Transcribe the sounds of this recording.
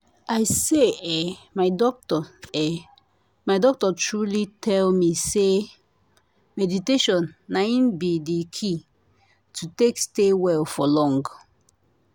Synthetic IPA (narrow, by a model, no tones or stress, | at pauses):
aɪseɛmaɪdɔk̚tɔɛ | maɪdɔk̚tɔtʰɹulitʰɛlmise | mɛditeʃɔ̃nːaĩnbidikʰi | tʰutekstewɛlfɔlɔ̃ŋɡ